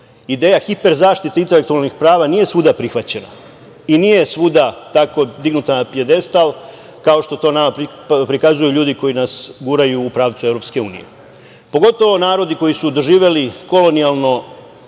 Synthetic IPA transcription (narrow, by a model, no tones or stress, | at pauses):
id̪e̞ːjaxipe̞ɾzaːʃt̪it̪eint̪e̞le̞k̚t̪ualˠnixpɾaːʋanije̞sʋud̪apɾixʋat͡ɕe̞na̰ | inije̞sʋud̪at̪ako̞d̪iɡnut̪anapije̞d̪e̞st̪al | kao̞ʃt̪o̞t̪o̞ːnamapi | pɾikazujuʎuːd̪iko̞jinasɡuɾajuːpɾaːʋt̪sueʋɾo̞pske̞ṵːnḭjḛ | po̞ɡo̞t̪o̞ʋo̞naːɾo̞d̪iko̞jisud̪o̞ʒiːʋe̞liko̞lo̞nialˠno̞